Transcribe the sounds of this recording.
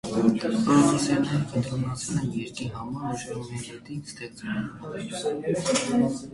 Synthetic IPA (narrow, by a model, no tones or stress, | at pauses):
t̪ɛʁpɑɾmɑsjɑnːɛɾəqənt̪ʰɾɔnɑt͡sʰɛlɛnjɛɾkiɦɑmɑɾuʃɛmɛɛt̪ist̪ɛt͡sumɛn